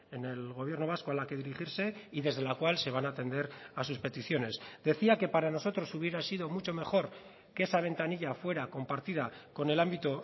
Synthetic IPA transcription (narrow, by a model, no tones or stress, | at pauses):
e̞ne̞lɣo̞β̞je̞ɾno̞βaskoalake̞ð̞iɾiχiɾse̞iðe̞zð̞e̞lakwalse̞βanaːt̪e̞nd̪e̞ɾasuspe̞t̪iθjo̞ne̞zd̪e̞θiake̞paɾano̞so̞t̪ɾo̞suβ̞je̞ɾasiðo̞mut͡ʃo̞me̞xo̞ɾ | ke̞esaβ̞e̞nt̪aniʎafwe̞ɾako̞mpaɾt̪ið̞ako̞ne̞lambit̪o